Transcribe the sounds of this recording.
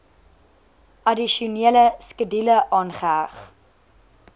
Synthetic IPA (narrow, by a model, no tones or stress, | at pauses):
ʔɐdiʃuniələskədiləʔɑːnχəɦæχ